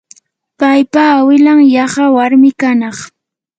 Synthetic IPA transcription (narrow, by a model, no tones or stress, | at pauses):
pajpaːwɪlaŋjɑχɑwaɾmɪkanɑχ